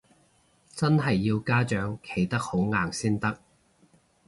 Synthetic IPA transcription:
t͡sɐ˥nɦɐ˨jːiː˧wkaː˥t͡ʃœː˨˥ŋkʰe˨˩jt̪ɐ˥k̚ho˨˥wŋaː˨ŋsiː˥nt̪ɐ˥k̚

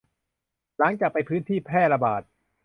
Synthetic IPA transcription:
la˩˦ŋt͡ɕaː˨˩k̚pa˧jpʰɯː˦˥nt̪ʰiː˥˩pʰɛː˥˩la˧baː˨˩t̪̚

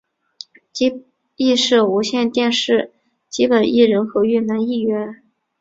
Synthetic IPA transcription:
t͡ɕi˥ | i˥˧ʂɻ̩˥˩u˧˥ɕjɛ˥˧nt̪jɛ˥˧nʂɻ̩˥˩ | t͡ɕi˥pə˨˩nʔi˥˩ɻə˧˥nxɤ˧˥y˥˩na˧˥ni˥˩ɥɛ˧˥n

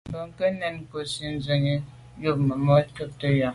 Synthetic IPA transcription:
m˨bə˨ŋ̩˨kə˦nɛ˦˨n˦ko˨si˦n̩˦zə˨ŋi˦ | jo˦˨p̚mə˨mɔ˦tə˦tə˦ja˨

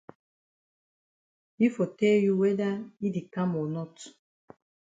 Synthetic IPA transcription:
i˦fo˨tɛ˦lju˦wɛ˦da˦i˦de˨kã˦mɔ˨nɔ˦t

